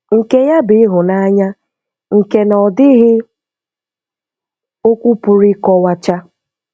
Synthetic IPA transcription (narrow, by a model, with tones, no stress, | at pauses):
ŋ̩˨ke˦ja˦bɪ˦ɦʊ˨na˦ɲa˦ | ŋ̩˨ke˦nɔ˨dɪ˦ɦɪ˦ | o˦kʷu˦pʊ˨ɾɪ˦kɔ˦wa˦t͡ʃa˦